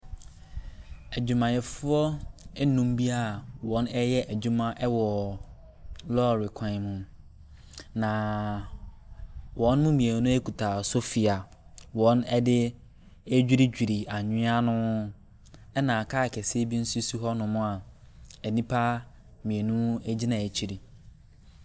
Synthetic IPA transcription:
æ˨d͡ʑᶣu˨mã˨jɛ˨fʊ˦ɔ˦ɛ˦nũ˦m˦bi˦a˦wɔ̃˨˦nɛ˦jɛ˦ʔæ˨d͡ʑu˦mã˦ʔɛ˦wɔ˨ | lɔː˦˨ɾɪ˨kʰã˨mũ˨ | nã˨ | wɔ̃˨˦n˦mʊ̃˦mĩ˨e˨˦nʊ̃˦e˦kʰu˨tʰa˨sʊ˦fi˨a˨ | wɔ̃˨˦nɛ˦dɪ˦ | æ˦d͡ʑᶣi˦ɾi˦d͡ʑᶣi˨ɾi˨a˨ɲɪ̃˦a˦nʊ̃˦ | ɛ˦nã˨kʰa˦˨kʰɛ˨se˦bi˦n̩˦su˦su˦ɦɔ˦nʊ̃˨mʊ̃˦a˨ | ɛ˨nĩ˦pʰa˦ | mĩ˨e˨nũ˦æ˦d͡ʑi˦nã˨e˨t͡ɕʰi˨ɾi˨

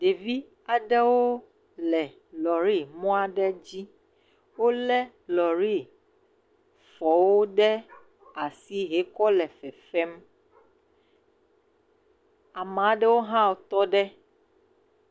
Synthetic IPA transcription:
ɖe˨vi˦ | a˨ɖɛ˦wo˦ | lɛ˨ | lɔ˨ɾi˦mɔ̃˦a˦ɖɛ˦d͡ʑi˦ | wo˦lɛ˦ | lɔ˨ɾi˦ | fɔ˨wo˦ɖɛ˦ | a˨si˦ɦe˨kɔ˦lɛ˨fɛ˨fɛ˦m | a˨mã˨˦ɖɛ˦wo˦ɦã˦wo˨t̪ɔ˦ɖɛ˦

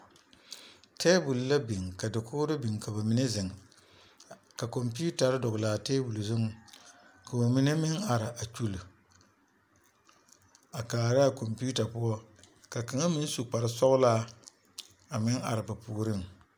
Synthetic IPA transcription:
teː˦bu˨lla˦bi˨ŋka˨dɪ˨kʰʊ˦ɾɨ˦bi˨ŋ˨ka˨ba˨mi˦ne˦zɪ˨ŋ˨ | ka˨ko˨mpi˦u˦ta˨ɾɨ˦dʊ˨ɡʊ˨laː˨teː˦bu˨lzʊ˦ŋ˨ | ka˨ba˨mi˦ne˦mɪ˦ŋa˨ɾɪ˨ʔa˨t͡ʃu˨l | a˨kaː˨ɾa˦˨ko˨mpi˦u˦ta˨pʊ˦ɔ˦ | ka˨ka˨ŋa˦mɪ˦n˦su˨k͡pa˨ɾɪ˦sɔ˦ʔʊ˦laː˦ | a˨mɪ˦ŋa̰˨ɾɪ˨ba˨puː˨ɾɨ˦˨ŋ

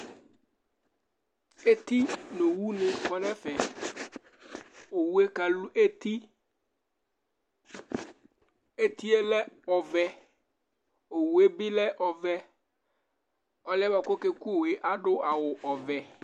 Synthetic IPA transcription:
e˦t̪i˦nõ˨wu˦nẽ˨kɔ˦ɖɛ˦fɛ˨ | o˨wu˦e˦ka˨lu˦ʔe˦t̪i˦ | e˦t̪i˦e˦lɛ˦ɔ˨vɛ˦ | o˨wu˨e˦bi˦lɛ˦ʔɔ˨vɛ˦ | ɔ˨lɛ˦ba˨ko˦ke˦ku˦˨we˨ʔa˦ɖo˦ʔa˨wo˨ʔɔ˨vɛ˨

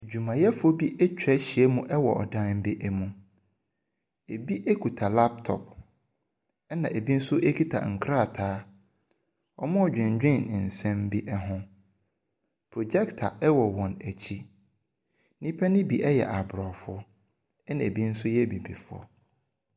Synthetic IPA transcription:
e˨d͡ʑᶣu˨mã˨jɛ˦fʊ˦o˦bi˦ʔæ˦t͡ɕᶣɛ˦ɕi˨ɛ˦mũ˦ʔɛ˦wɔ˨ʔɔ̰˨dã˦nm̩˦bi˦ʔɛ˦mũ˨ | e˨bi˦ʔe˦kʰu˨tʰa˨la˦ptʰɔ̰˨p̚ | ɛ˦nã˨ʔe˨bi˦n̩˦sʊ˦ʔe˦kʰi˦tʰa̰˨ŋ̩˨kʰɾa˦˨tʰaː˦ | ɔ̰˨mʊ̃˦ɔ˨d͡ʑᶣɪ̃˨ɲ˨d͡ʑᶣɪ̃˦˨n˨n̩˨sɛ̃˦m̩˦bi˦ʔɛ˦ɦʊ̃˦ | pʰɾɔ˨d͡ʑɛ˦ktʰa˨ɛ˦wɔ˨wɔ̃˨næ˨t͡ɕʰi˦ | nĩ˦pʰɛ˦nɪ̃˦bi˨ʔɛ˦jɛ̰˨ʔa˨bɾɔ˨fʊ˦ɔ˦ | ɛ˦nã˨e˨bi˦n̩˦sʊ˦jɛ˦bi˨bi˨fʊ˦ɔ̰˨

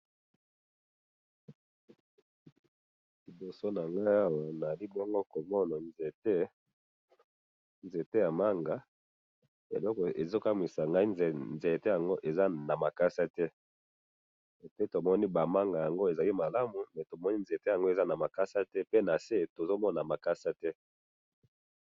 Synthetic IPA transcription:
li˨bo˨so˦na˨ŋɡa˦a˦wa˨n˨a˨li˦bɔ˦ŋɡo˦ko˨mɔ˦na˨nze˨te˦ | nze˨te˦ja˨ma˦ŋɡa˨ | ḛ˨lɔ˦kɔ˨e˨zo˦ka˦mi˨sa˨ŋɡa˦i˦nznze˨te˦ja˨ŋɡo˦ʔe˨za˦na˨ma˨ka˦sa˦tɛ˦˨ | pe˦to˨mɔ˦ni˦ba˨ma˦ŋɡa˨ja˨ŋɡo˦e˨za˨li˦ma˨la˦mu˨mɛ˨to˨mɔ˦ni˦nze˨te˦ja˨ŋɡo˦e˨za˦na˨ma˨ka˦sa˦tɛ˦pe˦na˨se˦˨to˨zo˦mɔ˦na˨ma˨ka˦sa˦tɛ˦

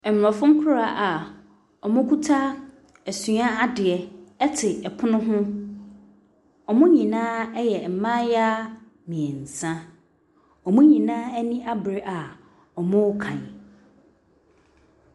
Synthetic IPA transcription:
ɛ˨m˨ɔ˨fʊ̃˦ŋ̩˦kʰʊ˦ɾa˨ʔa˨ | ɔ˨mʊ̃˦kʰu˦tʰa˦ | ɛ˨sũ˨a˦a˦dɪ˨ɛ˨ɛ˦tʰɪ˨ɛ˨pʰʊ˦nʊ̃˦ɦʊ̃˦ | ɔ˨mʊ̃˦ɲĩ˨nãː˦ɛ˦jɛ˨m̩˨mã˦ja˦ | mĩ˨ɛ˨n̩˨sã˦ | ɔ˨mʊ̃˦ɲĩ˨nãː˦ɛ˦nĩ˦ʔa˦bɾɪ˦ʔa˨ | ɔ˨mʊ̃˦kʰã˨

